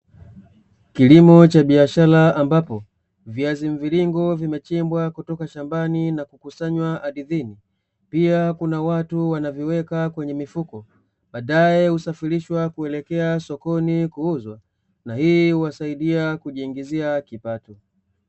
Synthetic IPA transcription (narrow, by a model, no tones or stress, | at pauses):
kilimɔt͡ʃaɓiaʃalaambapɔ | viaziɱviliŋɡɔvimɛt͡ʃimbwakutɔkaʃambaninakukusaɲwaaɗiðini | piakunawatuwanavjɔwɛkakwɛɲɛmifukɔ | ɓaːɗajɛhusafiɾiʃwakuɛlɛkɛasɔkɔnikuuzwa | nahiːhuwasaiɗiakuʄiːŋɡiziakipatu